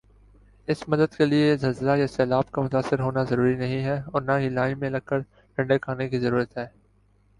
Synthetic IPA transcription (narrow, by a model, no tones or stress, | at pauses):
ɪsmɐd̪əd̪keliezɐzɾajasɛːlaːb̚kamʊt̪aːsɪɾɦoːnazɐɾuːɾinɐɦĩɦɛɔːɾnaɦilaːimẽlɐɡ̚kːəɾ | ʈɐ̃ɳɖekʰaːnekizɐɾuːɾət̪ɦɛː